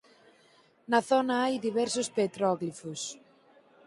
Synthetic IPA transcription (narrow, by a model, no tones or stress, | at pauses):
nɐθɔnɐajðiβɛɾsʊspet̪ɾɔɣlifʊs